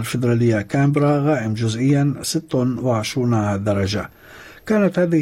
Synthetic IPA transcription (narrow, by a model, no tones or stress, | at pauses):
lfɪd̪ɾˤaːlɪjːakaːmbɾˤaɣaːʔɪmd͡ʒʊzʔɪjːansɪt̪ːʊnwɪʕɪʃɾuːnad̪ɑɾˤɑd͡ʒa | kaːnat̪haːðɪ